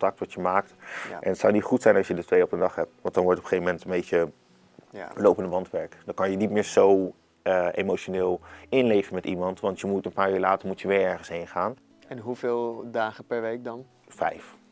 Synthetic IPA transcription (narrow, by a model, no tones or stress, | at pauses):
tɑk̚tʋɑtjəmaːk̚tʔɛ̰nətsɑwnitχutsɛjnɑsjədətʋejɔpəndɑχɦɛp̚tʋɑ̃ntdɑnʋɔɹtɔpəχejvəmɛntənbejcə | lowpəndəʋɑntʋɛɹkdɑkɑnjənitmɪːɹzow | ḛjmoʃonɪːlˠɪnlejvənmɛtimɑntʋɑntjəmutənpaːɹyːɹlaːtəɹmutjəʋɪːɹɛɹχənsɦenχaːn | ɛnɦuvɪːlˠdaːχəpɛɹʋejk̚dɑn | fɛ̰jf